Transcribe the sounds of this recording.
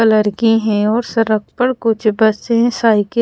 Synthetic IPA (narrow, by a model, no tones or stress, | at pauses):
ɐləɾɡiɦɛ̃ɔːɾsɐɾək̚pɐɽkʊt͡ʃʰbɐseɛ̃saːɪk